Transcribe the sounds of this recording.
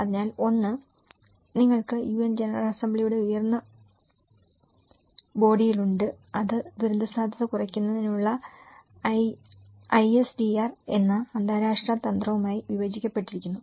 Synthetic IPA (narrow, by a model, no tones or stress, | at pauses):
ɐðiɲaːlo̞nːɨ | niŋːɐɭkɨjuːend͡ʑenɐrɐ̰lɐsɐmbɭijuɽe̞ujɐrnːɐ | bo̞ːɽijiluɳɖɨ | ɐðɨd̪uɾund̪ʱɐsaːd̪ʱjɐðɐkurɐkʲːunːɐðineuɭːɐ | ɐjesdiaːre̞̰nːɐɐnd̪aːɾaːʂʈraːt̪ːɐnd̪rɐʋumaːjiʋiʋɐd͡ʑikʲːɐpːe̞ʈːiɾikʲːunːu